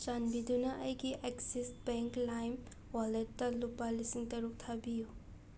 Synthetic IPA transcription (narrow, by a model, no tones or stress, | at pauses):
t͡ʃanbidunɐʔɐjɡiʔeksisbeŋklajm | waletːɐlupːalisiŋtɐɾuk̚tʰabiju